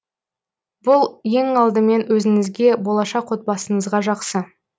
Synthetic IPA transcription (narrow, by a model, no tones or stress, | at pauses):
b̥ʊlˠje̞ŋɑlˠd̪əme̞nwɵzɪŋɪzɡʲe̞bo̞lˠɑʃɑqwo̞t̪̚bɑsəɴəzʁɑʒɑqsə